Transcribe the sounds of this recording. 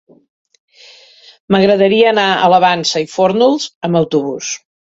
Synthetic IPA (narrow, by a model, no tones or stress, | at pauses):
məɣɾəðəɾiəːnaə̰ləβansəifoɾnulˠzəməwt̪uβus